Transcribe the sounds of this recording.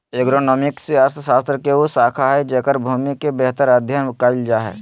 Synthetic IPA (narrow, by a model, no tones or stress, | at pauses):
eɡɾoːnɔːmɪkseəɾst̪saːst̪ɾəkeosaːkʰaɦɛd͡ʒɛkəɾbʱuːmikebɛɦt̪əɾəd̪ʱjənkald͡ʒaɦɛ̰ː